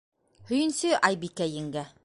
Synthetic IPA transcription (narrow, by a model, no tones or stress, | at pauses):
hɵ̆jɘ̆nsɘʔɑjbikæjɘ̆ŋɡæ